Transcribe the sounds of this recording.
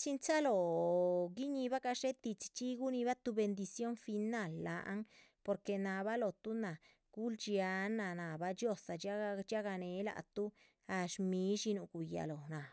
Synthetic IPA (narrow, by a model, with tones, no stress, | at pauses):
t͡ʃi˦nt͡ʃa˦lo˨ | ɡi˦ɲi˧ba˦ka˧ʂe˦t̪i˧t͡ʃt͡ʃi˦ɡu˦ni˧ba˦t̪u˧be˧nd̪i˧sjo˦nfi˧na˦˨lːa˨ʔa̰˦ŋ | po˧ɾke˧˨na˨ba˦lo˨t̪u˦na˨ | ɡ̥u˦ld͡ʒja˧˦na˨na˨ba˦t͡ʃjo˧sa˨d͡ʒa˦˧t͡ʃa˦ɡa˧ne˨˦la̰˨t̪u˦ | a˧ʃmi˧˦ʃi˧nu˧ɡu˨ja̰˨lo˨na˨